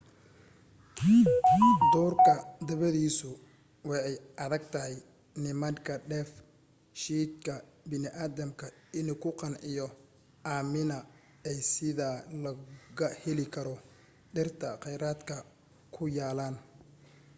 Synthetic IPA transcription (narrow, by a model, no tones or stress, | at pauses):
d̪ɔːrkʰɐd̪ɐβɐðiːsʊ | wɑɛjʔɐðɐɡ̚t̪ʰɐɦɛj | nɪmɐŋkʰɐɖɛːf | ʃiːd̪kʰɐbɪnɪʔaːðɐmkʰɐ | ɪnʊkʰʊqɑnʕɪjɔ | aːmɪnɐ | ɛjsɪðalɐɣɐhɛlɪkʰɐɾɔ | ɖɪrt̪ʰɐqɛjɾaːd̪kʰɐ | kʰʊjaːlaːn